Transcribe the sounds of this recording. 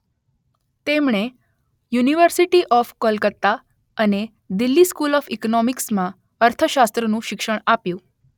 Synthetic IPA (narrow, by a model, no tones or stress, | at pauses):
t̪emɳ̃e | juniʋəɾsiʈiʔɔfkəlkət̪ːa | əne | d̪ilːiskulɔfiknɔmiksmã | əɾt̪ʰəʃast̪ɾənũʃɪkʃəɳ̃apjũ